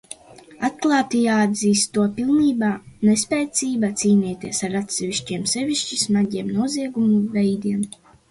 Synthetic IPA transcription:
at̪klˠaːt̪ijaːad̪ziːst̪ːuɔpilˠniːbaːnespʲɛːt̪siːbat̪siːniːt̪ʲiɛsaɾat̪sɛvʲiʃcʲiɛmsɛvʲiʃt͡ʃismaɟʲiɛmnuɔziɛɡumuvɛjd̪iɛm

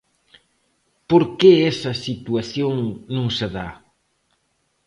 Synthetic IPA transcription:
poɾkeɛsɐsit̪uaθjoŋnũŋseða

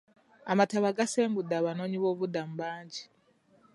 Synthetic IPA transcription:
amataβaɡaseːmbudaβanoɲiβoːβud̪am̩baːɲɟi

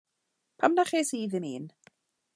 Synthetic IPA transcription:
pʰamnaχeːsiːðɪmiːn

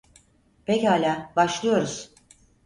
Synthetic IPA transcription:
pʰechaːlʲaːbaʃlˠɯjo̞ɾuz̥

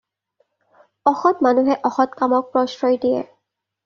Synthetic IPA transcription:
ɔxɔtmanuɦɛʔɔxɔtkamɔk̚pɹɔsɹɔjdijɛ̰

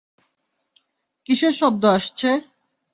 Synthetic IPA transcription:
kiʃeʃɔb̚d̪oaʃt͡ɕʰe

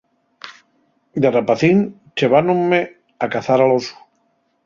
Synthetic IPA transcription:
d̪erapaθin | t͡ʃeβanomme | akaθaɾalosu̥

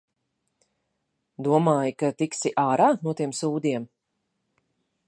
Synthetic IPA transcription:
d̪uɔmaːjikat̪iksiʔaːɾaːnuɔt̪iɛmsuːd̪ʲiɛm

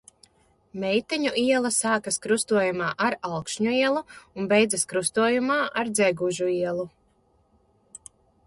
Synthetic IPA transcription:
mɛjt̪ɛɲuʔiɛlˠasaːkaskɾust̪uɔjumaːʔaɾalkʃɲuiɛlˠuunbɛjd̪zaskɾust̪uɔjumaːʔaɾd̪zɛɡuʒuiɛlˠu

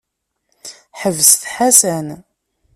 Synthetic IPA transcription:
ħəvːəsθħasæn

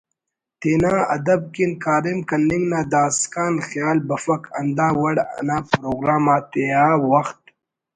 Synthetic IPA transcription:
t̪eːnaːɐd̪ɐb̚kinkaːɾimkɐnːɪŋɡnaːd̪aːskaːnxjaːlbɐfɐkɐnd̪aːwɐɽa̰naːpɾoːɡɾaːmaːt̪eaːwɐxt̪̚

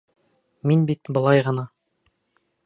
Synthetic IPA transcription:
minbit̪bəlˠɑjʁɑnɑ

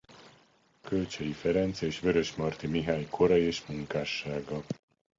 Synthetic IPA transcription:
kølt͡ʃɛjifɛɾɛnt̪seːʃʋø̞ɾøʃmɒrt̪imiɦaːɲkʰo̞ɾɒjeːʃmuŋkaːʃːaːɡɒ

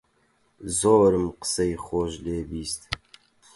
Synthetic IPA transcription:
zoːɾɨmqə̥sejχoːʒleːbiːst̪

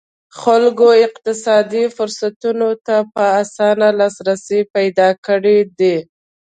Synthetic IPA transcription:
xalɡoɪqt̪ɪsɑd̪ifʊɾsat̪unot̪apəasɑnalɑsɾasipajd̪ɑkəɽed̪i

